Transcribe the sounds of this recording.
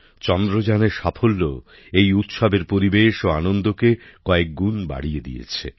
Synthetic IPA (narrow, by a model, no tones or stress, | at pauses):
t͡ɕɔnd̪ɾod͡ʑaneɾʃapʰolːo | ejut̪ʃɔbeɾpoɾibeʃoanond̪okekɔek̚ɡunba̰ɽied̪ḭjḛt͡ɕʰḛ